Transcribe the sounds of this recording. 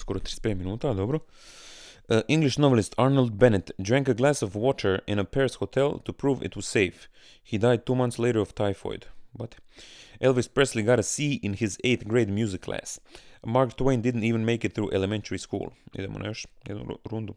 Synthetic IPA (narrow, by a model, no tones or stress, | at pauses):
skoɾot̪ɾispet̪minuːt̪ad̪obɾo | ʔĩŋɡliʃnoʋɛlɪst̪ʰaɾnalˠd̪bɛnɛt̪dɾɹæ̃ŋkəɡlæsɔʋwɔt̪ʰəɹɪ̃nəpɛɹsxot̪ʰɛlˠt̪upɾuːʋɪ̰t̪wɔz̥seɪf | hid̪ajd̪̚t̪uːmant̪sleɪɾəɹoft̪ʰajfo̰jd̪bat̪ɛlˠʋɪspɹɛsliɡaɾəsiːʔɪ̃nhɪzeɪt̪ɡɾeɪt̪mjuːzɪkʰːlæ̰smaɾɡt̪wẽɪnd̪ɪd̪n̩t̪iːʋə̃nmeɪkɪt̪θɾuːʔelemɛ̃nt̪əɹiskṵːlˠḭd̪emo̰na̰joʃjɛ̰d̪nṵɾũnd̪u